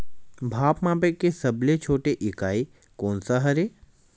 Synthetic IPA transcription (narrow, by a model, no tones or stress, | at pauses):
bʱaːpmãːbekːesɐblet͡ʃʰoːʈeʔɪkaːi | koːnsaɦɐɾe